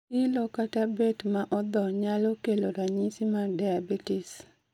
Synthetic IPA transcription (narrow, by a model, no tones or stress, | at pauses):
ilɔkatabetmaʔɔd̪ɔɲalɔkeloɾaɲisimardajabitɪs